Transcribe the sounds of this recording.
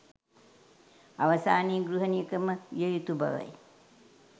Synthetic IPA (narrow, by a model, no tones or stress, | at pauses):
aʋɐsaːniːɡɾuɦənijəkəməjəjut̪ubɐ̰ʋə̰j